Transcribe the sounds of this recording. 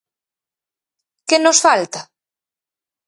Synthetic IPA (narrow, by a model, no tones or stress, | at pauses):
kenosfalt̪a